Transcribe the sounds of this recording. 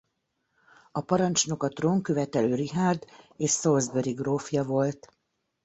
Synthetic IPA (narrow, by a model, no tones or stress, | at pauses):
ɒpɒɾɒnt͡ʃno̞kɒt̪roːŋkøvɛt̪ɛløːɾiɦaːrd̪eːʃsolzbøɾiɡroːfjɒvo̞lt̪